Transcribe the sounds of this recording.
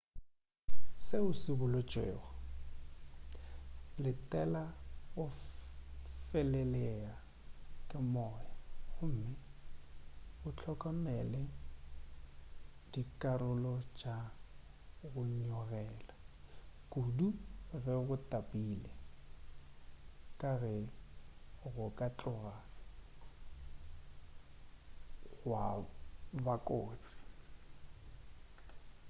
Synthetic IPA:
seʊsɪbʊlʊt͡ʃʼḛːɣɔ | lɪtʼɛlaɣʊ | fɛlɛlɛa | kʼɪmɔjaɣʊm̩mɪ | ʊt͡ɬʰɔkʼɔmɛlɛ | d̥ikʼarʊlɔd͡ʒa | ɣʊɲɔɣɛːlakuduɣɛɣʊtʼapʼilɛ | kʼaɣɛ | ɣʊkʼat͡ɬʼɔɣa | ɣɣwa | bakʼoːt͡sʼɪ̥

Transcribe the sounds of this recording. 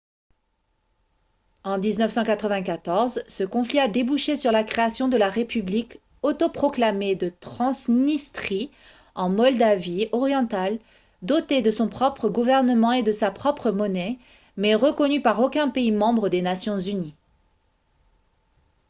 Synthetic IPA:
ɑ̃d̪iznœfsɑ̃kat̪χəvɛ̃kat̪ɔʁzsəkɔ̃fliad̪ebuʃesyʁlakχeasjɔ̃d̪əlaʁepyblik | ot̪opχɔklamed̪ət̪χɑ̃snist̪χi | ɑ̃mɔld̪aviɔʁjɑ̃t̪al | d̪ɔt̪ed̪əsɔ̃pχɔpχəɡuvɛʁnəmɑ̃ed̪əsapχɔpχəmɔnɛ | mɛʁəkɔnypaʁokʲɛ̃peimɑ̃bʁəd̪enasjɔ̃zyni

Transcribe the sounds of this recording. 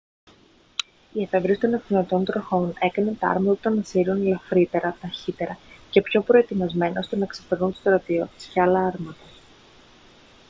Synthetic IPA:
iefevɾist̪o̞nekinot̪o̞nt̪ɾo̞xo̞ne̞kɐnent̪ɐɐ̰ɾmɐt̪ɐut̪ɐnɐsiɾunlɐfɾit̪e̞ɾɐt̪ɐçit̪e̞ɾɐce̞pço̞pɾo̞e̞t̪imɐzme̞nɐo̞st̪enɐksɐpeɾnunt̪ost̪ɾɐt̪io̞t̪sceɐlɐɐɾmɐt̪ɐ

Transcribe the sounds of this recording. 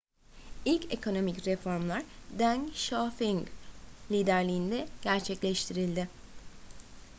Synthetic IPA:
ilʲce̞kʰo̞no̞micɾefo̞ɾmlˠaɾd̪ænʃafiŋɡlʲiːd̪æɾlʲiːnd̪ɛɟ̥æɾt͡ʃʰɛclʲɛʃt̪ʰiɾilʲd̪ɪ

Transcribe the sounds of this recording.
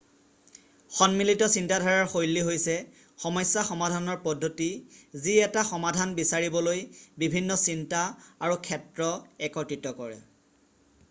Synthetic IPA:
xɔnmilitɔsintadʱaɹaɹxojlːiɦojsɛ | xɔmɔjsːaxɔmadʱanɔɹpɔdʱːotiziɛtaxɔmadʱanbisaɹibɔlojbibʱinːɔsintaaɹukʰɛtɹɔɛkɔtɹitɔkɔɹɛ̰

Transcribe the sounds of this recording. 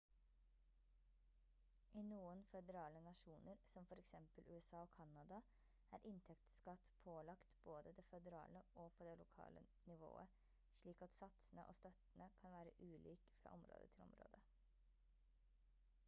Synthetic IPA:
ʔiːnuːənfɛd̪əɾɑːlənɑʂuːnəɾsɔmfɔɾɛksɛmpəlʉːɛsɑːɔkʰɑnɑd̪ɑ | æːɾʔɪnt̪ʰɛkt̪skɑt̪pʰoːlɑkt̪b̥oːd̪əd̪ɛfɛd̪əɾɑ̰ːləɔpʰɔd̪ɛlʊkʰɑ̰ːlə̰nɪʋo̰ːə | ʂɭiːkɑt̪sɑt̪sənəʔo̰ːst̪œt̪ənəkʰɑnʋæːɾə̰ʔʉːliːkfɾɑ̰ːʔɔmɾo̰ːd̪ə̰t̪ʰɪlɔ̰mɾo̰ːd̪ə

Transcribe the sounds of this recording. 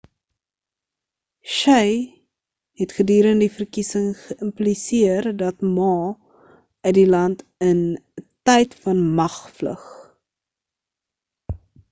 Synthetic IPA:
ʃəj | hɛtχədyːɾəndifərkisəŋχəʔəmplisiərdɐtmɑː | œdilɐntəntɛjtfɐnmɐχflə̰χ

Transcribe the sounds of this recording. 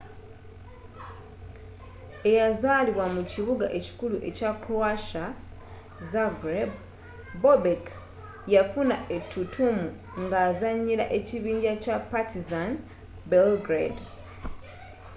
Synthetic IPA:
e̞jazaːliβwamuciβuɡaʔe̞ci̥kuluʔe̞cakɾoaʃa | zaɡɾeb | bobek | jafunaʔetʰːutʰumu | ŋɡaːzaɲːiɾa̰ʔe̞ciβiːɲɟacapatizan | belɡɾed

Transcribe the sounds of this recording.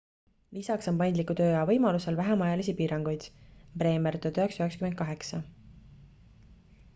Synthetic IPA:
lisɑkso̞mpɑjnd̪likːˑut̪ø̞ːɑvɤ̞jmɑluse̞lvæɦemɑjɑlisipiːɾɑŋɡ̥ujd̪̥pre̞ːmeɾt̪od̪yɦeksyhekskyment̪̚kɑɦe̞ksɑ

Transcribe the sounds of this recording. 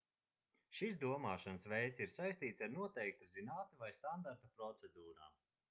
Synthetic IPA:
ʃis̬d̪uɔmaːʃɔnsvɛjt̪siɾsajst̪iːt̪saɾnuɔt̪ɛjk̚t̪uzinaːt̪evajst̪and̪aɾt̪apɾɔt̪sɛd̪uːɾa̰ːm

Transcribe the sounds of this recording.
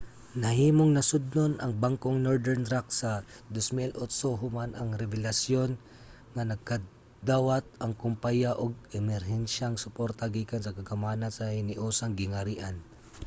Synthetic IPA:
nɐhiːmoŋnɐsʊd̪̚nonʔɐŋbaŋkoŋnoɹd̪ɛɾnt̪ɾak̚sɐ | d̪osmilʔot̪soɦʊmanʔɐŋɾɛbɛlɐsjo̞n | ŋɐnɐɡ̚kɐ | d̪aːwat̪̚ɐŋkʊmpajaʔoɡ̚ɛmɛɾɦɛnʃaŋsʊpoɾt̪ɐɡiːkansɐkɐɡɐmanɐnsɐhɪnɪʔoːsaŋɡɪŋɐɾiʔan

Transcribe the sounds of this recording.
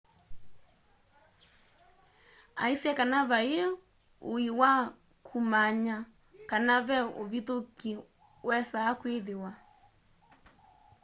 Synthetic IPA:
a̰isɛkanaβae | oiwa | kʰumaɲa | kanaβɛovitoki | wɛsaːkweðewa

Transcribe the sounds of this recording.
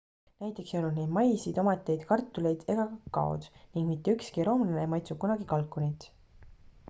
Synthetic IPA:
næjt̪ˑːe̞ksejonud̪ned̪̥mɑjsid̪o̞met̪ːˑejd̪̥kɑrt̪ːˑule̞jd̪̥e̞ɡ̥ɑkɑkːɑ̰o̰d̪̥niŋɡ̥mit̪ːeykskiɾo̞ːmlnemɑjt̪sukunɑɡ̥ikɑlkːˑonit̪

